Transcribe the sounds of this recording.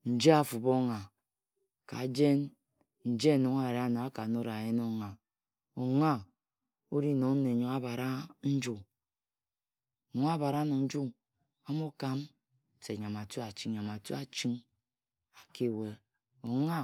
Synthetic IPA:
n̩˨d͡ʒe˦a˨fu˨bo˦ŋa˨ | ka̰˨˦d͡ʒe˦n | n̩˨d͡ʒe˦˨no˨ŋ˦a˦˨ɾa˦na˨a˦ka˨no˦ɾa˨je˦n˦o˦ŋa˨ | o˨ŋa˦ | o˦ɾi˦˨no˨n̩˦ne˨ɲo˨ŋa˦ba˨ɾa˦n̩˦d͡ʒu˦˨ | ɲo˨ŋ˦a˦ba˨ɾa˦no˨n̩˦d͡ʒu˦ | a˦mo˦ka˦m˨ | se˨ɲa˨ma˨tu˦a˨t͡ʃi˦ŋ˦ɲa˨ma˨tu˦a˨t͡ʃi˦ŋ | a˨ke˦˨we˨ | o˨ŋa˦

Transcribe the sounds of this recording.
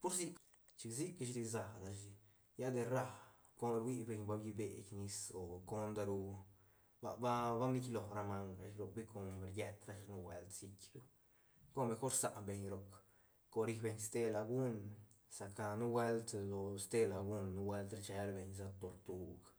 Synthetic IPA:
pu˦ɾsi˦k | t͡ʃi˧ksi˦ka˧ʃd̪i˧za˧na˧ʃ̬i˧ | ja˦d̪e˧ɾa˧ | ko˧˦d̪ɾwi˦be˧ɲba˧bji˧be˨kni˧so˨ko˦nd̪a˧ɾu˧ | ba̰˧ba˦ba˦mi˦kʲlo˨ɾa˧ma˧ŋa˧ʃɾo˧kbi˦ko˧nɾje˧t̪ɾa˧ʃnu˦wḛ˧lt̪si˧kʲɾu˧ | ko˦me˧xo˦ɾsa˧ʔbe˧ɲɾo˨k | ko˧ɾi˧kbe˧ɲst̪e˦la˧ɡu˦n | sa˧ka˧nu˦we˦lt̪lo˧st̪e˦˧la˨ɡu˦nːu˦we˦lt̪ɾa˧t͡ʃe˧ɾbe˧ɲs̬a˧t̪o˧ɾt̪u˧ɡ

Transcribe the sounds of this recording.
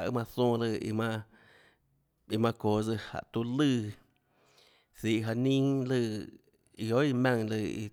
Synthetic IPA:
ʔɨ̰˦mã˧θõː˧˦˨lɨ˧ḭ˧mã˧ | i˧mã˧koː˨d͡zɨ˧ha̰˨ʔt̪u˧˦lɨ˦˧˨ | siː˧˨ʔɦa˧nĩ˦lɨ˧ | i˧o˦i˧mã˧ŋlɨ˧˨ḭ˧

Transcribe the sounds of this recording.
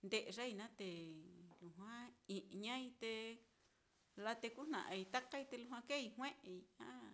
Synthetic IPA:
nd̪e˧ʔe˧ʐa˦i˧nã˦t̪e˨lu˨ɦwã˦i˨ʔɲã˦i˧t̪e˧ | la˧t̪e˧ku˦n̥ã̰˨ʔã̰˧i˧t̪a˦ka˦i˧t̪e˧lu˧ã˧ke˦i˧ɦw̃ẽ˦ʔe˧i˧ã˦˨

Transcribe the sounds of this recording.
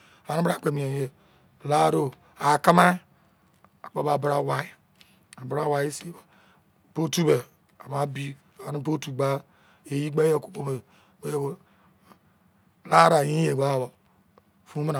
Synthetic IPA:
a˨a˨n˦ba˦˨k͡pe˨mi˨e˨je˨ | la˦ɾo˦ | a˨ka˦ma˦ | a˨k͡pa˨ba˨bɾa˦wa˦ | a˨bɾa˦˨wa˦i˦si˦˨ba˨ | b̥o˦tu˦be˨ | a˨ma˨˦bi˦ | a˨a˨nu˦bo˦tu˨ɡ͡ba˦ | e˨ji˦ɡ͡ba˦je˦˨ku̥˦k͡po˦me˨ | e˦j | la˦ɾa˨ji˦e˨ɡ͡ba˦˨bo˨ | fu˦me˦na˨

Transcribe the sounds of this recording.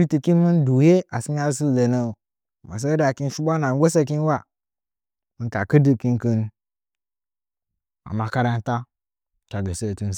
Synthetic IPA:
ɾi˦ti˨ki˦n˦mi˦n˦du˨je˦a˨si˦m˦a˦si˦˨le˨no˨ | ma˨s̬e˦da˨ki˦n˦ʃu˦ɓʷa˦na˨ŋ˦ɡʷo˦sa˦ki˦n˦wa˦˨ | mi˨n˦ka˨kə˦di˦ki˦nki˦n˦ | a̰˨ma˨ka˦ɾa˦n˦ta˦˨ | ka˨ɡe˨se˦˨tu˦n˦˨

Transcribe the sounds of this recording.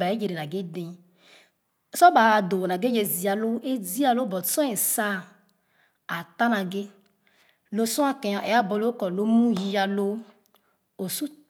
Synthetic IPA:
ba˨e˦d͡ʒe˨ɾe˨na˨ɡe˦dẽ˨ | sɔ˦ba˨do˨na˨ɡe˦d͡ʒe˨zi˨a˨lo˦ʔe˦zi˦a˦lo˦bɔ˨sɔ̃˦e˨sa˦ | a˨t̪a˦nã˨ɡe˦ | lo˦sɔ̃˦a˦kɛ̃˨jɔ˨ʔɛ˨a˦bɔ˨lo˦kɔ˨lo˦mũ˦ji˦ja˧lo˦ | o˨su˦

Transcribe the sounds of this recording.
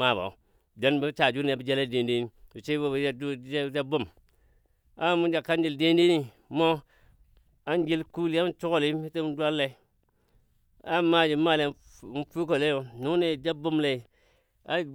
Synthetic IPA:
a˦˨ba̰˨u˨ | d͡ʒa˨˦nbi˦t͡ʃa˨d͡ʒu˦ne˨a˨bi˦d͡ʒe˦le˦˨de˨nde˦ni˦i˨t͡ʃe˦bo˦ba˦du˦d͡ʒa˦bo˦˨m | a˦mu˦d͡ʒa˨ka˦nd͡ʒi˦˨lde˦nde˦ni˦ | mo˦ | a˦nd͡ʒi˦lku˦li˦a˦t͡ʃu˦ko˨li˦i˦te˦m˦dwa˦lːe˨˦ | a˦ma˦d͡ʒi˨˦ma˦˨le˨˦fu˦ko˨le˦jo˨nu˦ne˨d͡ʒa˦bo˦mle˨i˨ | a˦

